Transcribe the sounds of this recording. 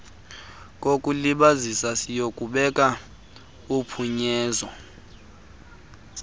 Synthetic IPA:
k̬ʼokʼuliɓazisasijokʼuɓɛkʼa | upʰuɲɛːzwɔ

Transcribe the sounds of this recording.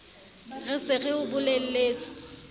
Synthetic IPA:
rɪsɪɣɪʊbʊlel̩leːt͡sʼɪ̥

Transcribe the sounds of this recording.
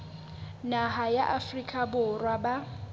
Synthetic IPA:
naɦajaʔafrikʼabʊrwaba

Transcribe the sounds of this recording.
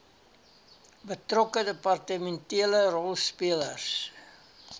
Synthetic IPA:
bətrɔkədəpɑrtəmɛntiələrɔlˠspiələrs

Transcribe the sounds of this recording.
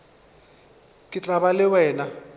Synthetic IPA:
kʼɪt͡ɬʼabalɪwɛːna

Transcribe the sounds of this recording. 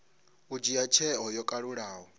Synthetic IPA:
ud͡ʒijat͡ʃʰɛɦɔjɔkʼaɺuɺaːɦɔ

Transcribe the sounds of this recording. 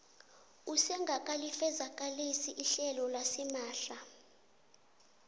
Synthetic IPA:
usɛŋɡʱakʼalifɛzakʼalisiʔiɬɛlɔlasimaːɬa

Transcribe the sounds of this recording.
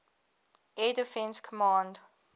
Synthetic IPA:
ʔɛdifɛ̃nskʰɔmãnd

